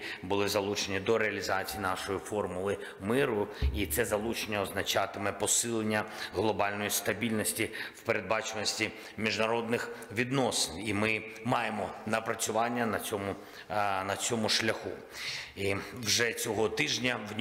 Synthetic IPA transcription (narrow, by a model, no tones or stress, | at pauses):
bʊlˠɪzɐlˠut͡ʃenʲid̪ɔɾeɐlʲizɑt͡sʲijinɑʃɔjifɔrmʊlˠɪ | mɪɾʊit̪sɛzɐlˠut͡ʃenʲːɐɔznɐt͡ʃɑt̪ɪmɛpɔsɪlˠenʲːɐɦlˠɔbɑlʲnɔjist̪ɐbʲilʲnɔsʲtʲiwpeɾe̞d̪̚bɑt͡ʃenɔsʲtʲi | mʲiʒnɐɾɔd̪nɪxʋʲid̪nɔsɪnimɪmɑjemɔnɐpɾɐt͡sʲʊʋɑnʲːɐnɐt͡sʲɔmʊ | nɐt͡sʲɔmʊʃlʲɐxu | iwʒɛt͡sʲɔɦɔt̪ɪʒnʲɐwʲ